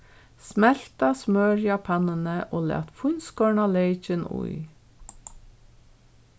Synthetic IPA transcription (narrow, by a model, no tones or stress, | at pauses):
smɛl̥t̪ɑsmøːɾjɑːpʰɑnənəʔoːlæ̰ːt̪fʊnskɔːɳɑleɪt͡ʃənʊ̰ʏ